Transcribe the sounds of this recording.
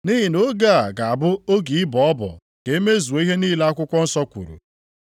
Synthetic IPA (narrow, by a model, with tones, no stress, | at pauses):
ni˦ɦi˨no˦ɡa˦a˨ɡa˨a˨bʊ˦o˦ɡi˨ɪ˦bɔ˨ɔ˦bɔ̰˨ | ke˨e˦me˦zu˨o˨˦i˦ɦe˦niː˦le˦a˦kʷʊ˦kʷɔ˦n̩˦sɔ˦kʷṵ˨ɾṵ˨